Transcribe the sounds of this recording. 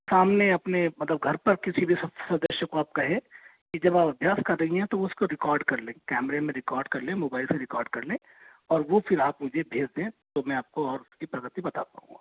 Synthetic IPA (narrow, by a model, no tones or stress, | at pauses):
saːmneɐpnemɐt̪ləb̚ɡʱɐɾpɐɾkɪsibʱisɐ̃nd̪əʃjəkoaːp̚kɐɦẽ | kid͡ʒɐbaːpɐbʱjaːskɐɾːɐɦiɦɛ̃t̪oʊskoɾɪkɔːɾɖkɐɾlẽːkɛːmɾemẽɾɪkɔːɾɖkɐɾlẽmoːbaːɪlseɾɪkɔːɾɖ̚kɐɾlẽ | ɔːɾʋofɪɾaːpmʊd͡ʒʱebʱeːd͡ʒd̪ẽːt̪omɛ̃aːp̚koɔːɾʊsskipɾɐɡət̪ibɐt̪a̰pa̰ːṵ̃ŋɡaː